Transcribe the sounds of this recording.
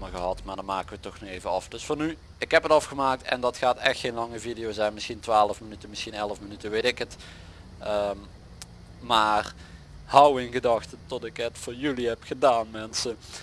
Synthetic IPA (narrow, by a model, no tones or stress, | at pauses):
məɣəɦɑtmaːɹdɑnmaːkəʋətɔxnɔxejvəɑ̰fd̥ɵsfɑny | ɪkɦɛpətɑfxəmaːk̚tɛ̰ndɑtxaːtɛxtxenlɑŋəvidijowzɛjnmɪsxintʋaːləfmənytəmɪsxinɛləfmənytəʋetɪkɦət | əm | maːr | hʌwɪnɣədɑxtətɔtɪkɦətfʊːɹjyliɦɛpxədaːnmɛnsə